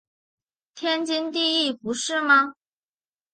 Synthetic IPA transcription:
t̪ʰjɛ˥nt͡ɕi˥nt̪i˥˧i˥˩pu˨˧˥ʂɻ̩˥˩mɐ˨

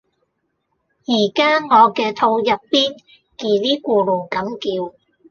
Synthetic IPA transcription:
jiː˨˩kaː˥ŋɔː˨˧kɛː˧t̪ʰo˧wjɐ˨t̚piː˥n | kiː˨˩liː˥kʷuː˧lo˨˩kɐ˨˥mkiː˧w

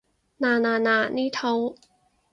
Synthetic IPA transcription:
naː˧naː˨˩naː˧˩niː˥˨t̪ʰa˧w

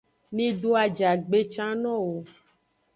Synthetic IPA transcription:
mĩ˦ɖo˦a˨d͡ʒa˨ɡ͡be˦t͡ʃã˦nɔ̃˦wo˨

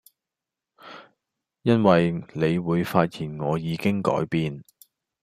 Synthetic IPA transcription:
jɐ˥nwɐ˨jle˨˧jwuː˨˧jfaː˧t̚jiː˨˩nŋɔː˨˧jiː˨˧kɪ˥ŋkɔ̰ː˨˥jpiː˧n

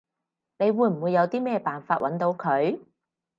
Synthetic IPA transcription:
ne˨˧jwuː˨˧jm̩˨˩wu˨˧jːɐ˨˧wt̪iː˥mɛː˥˩paː˨nfaː˧˥t̚wɐ˨˥nt̪o˨˧wkʰɵ˨˧ɥ

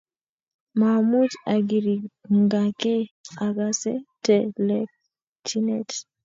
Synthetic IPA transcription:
mamu˦ta˨ɡi˨ɾi˨ŋɡa˨ke˦a˨ɡa˨sɛ̰˦tɛlɛ˦k̚ | t͡ʃi˦nɛt

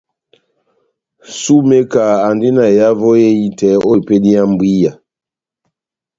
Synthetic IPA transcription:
su˦me˦ka˨a˨ndi˦na˨ja˦vo˦je˦i˦tɛ˨o˦˨pe˦di˦a˦m˦bwi˦ja˨

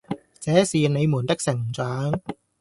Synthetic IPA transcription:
t͡sɛː˨˥siː˨ne˨˧jmuː˨˩nt̪ɪ˥k̚sɪ˨˩ŋt͡sœː˨˥ŋ

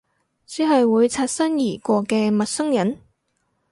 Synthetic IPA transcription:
t͡siː˨˥ɦɐ˨jwuː˨˧jt͡sʰaː˧t̚sɐ˥njiː˨˩kʷɔː˧kɛː˧mɐ˨t̚sʊ˥ŋjɐ˨˥n

